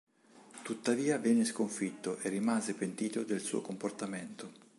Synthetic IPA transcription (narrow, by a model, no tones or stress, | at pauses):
t̪ut̪ːaviːavɛnːeskoɱfit̪ːoʔerːimaːzepent̪iːt̪od̪elsṵːo̰komport̪ament̪o